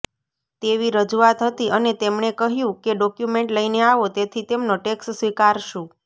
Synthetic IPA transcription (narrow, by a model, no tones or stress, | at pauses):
t̪eʋiɾəd͡ʒuat̪ɦət̪iʔənet̪emɳekəɦjũkeɖɔkjumeɳʈləineaʋot̪et̪ʰit̪emnoʈekssʋikaɾʃũ